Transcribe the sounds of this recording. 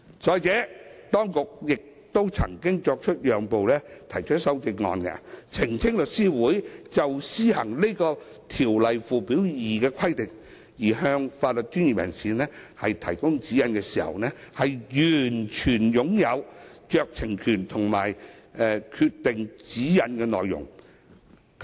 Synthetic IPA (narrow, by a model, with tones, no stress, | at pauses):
sɔː˨˧jt͡sɛː˨˥t̪ɔː˥ŋkʊ˨k̚jɪ˨k̚ | t̪o˥wt͡sʰɐ˨˩ŋkɪ˥ŋt͡ʃɔː˧k̚t͡ʃʰɵ˥t̚jœː˨ŋpo˨wlɛː˥t̪ʰɐ˨˩jt͡ʃʰɵ˥t̚sɐ˥wt͡sɪ˧k̚ŋɔ̰ː˨˧nkɛ̰˧t͡sʰɪ˨˩ŋt͡sʰɪ˥ŋlɵ˨t̚siː˥wuː˨˥jt͡sɐ˨wsiː˥hɐ˨˩ŋle˥kɔː˧ | t̪ʰiː˨˩wlɐ˨jfuː˨piː˨˥wjiː˨kɛː˧kʰɐ˥jt̪ɪ˨ŋ | jiː˨˩ɦœː˧ŋfaː˧t̚lɵ˨t̚t͡ʃyː˥nji˨p̚jɐ̰˨˩nsiː˨˧nɛː˥hɐ˨jt̪ʰɐ̰˨˩jkʊ˥ŋt͡siː˨˥jɐ˨˧nkɛː˧siː˨˩hɐ̰˨wnɛː˥hɐ˨jjyː˨˩nt͡ʃʰyː˨˩njʊ˨˧˥ŋjɐ˨˧wt͡ʃœː˧k̚t͡sʰɪ˨˩ŋkʰyː˨˩nt̪ʰʊ˨˩ŋma̰ː˨˩jɛ˧kʰyː˧t̚t̪ɪ˨ŋt͡siː˨˥jɐ˨˧nkɛː˧nɔ̰ː˨jːʊ̰˨˩ŋ